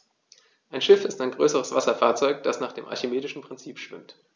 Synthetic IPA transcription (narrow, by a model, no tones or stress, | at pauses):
ʔaɪnʃɪfɪstaɪnɡʁøːsəʁəsv̥asɐfaːɐt͡sɔʏk̚d̥asnaːχd̥eːmʔa̰ɐçemeːdɪʃn̩pʁ̥ɪnt͡siːpʃv̥ɪ̰mt